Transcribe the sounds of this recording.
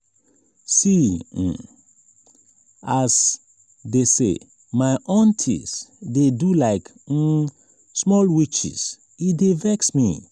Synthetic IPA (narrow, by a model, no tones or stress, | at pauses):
si | as | desḛ | maɪʔɔ̃ntʰḭsdedulaɪk̩ | smɔlwit͡ʃḭs | idevɛksmḭ